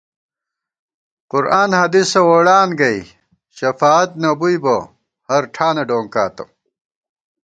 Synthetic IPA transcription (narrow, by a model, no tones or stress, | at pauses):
qʊɾaːnhɐd̪isɐwoɽaːnɡɐj | ɕɐfaːt̪̚nɐbujbɐ | hɐɾʈʰaːnɐɖoːŋka̰ːt̪ɐ̰